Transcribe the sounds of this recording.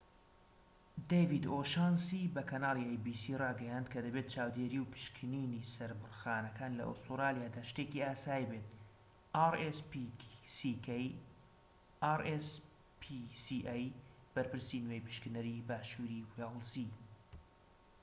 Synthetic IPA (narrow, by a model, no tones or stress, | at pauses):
d̪ejvid̪oːʃansibɐkʰɐnaːliejbiːsirɑːɡɐjand̪̚kʰɐd̪ɐbeːt̪̚t͡ʃʰaːwd̪eːɾiwpʰɨ̥ʃkʰɨninisɐɾbɨrxaːnɐkʰaːnlɐ̰ʔo̰st̪uɾaːlijaːd̪aːʃt̪eːkiaːsaːjibet̪̚ | ʔaɾespsikej | ʔaɾes | pʰisiʔajb̥ɐɾpɨɾsinwejpɨ̥ʃkɨnɐɾibaːʃuɾiwelˠsi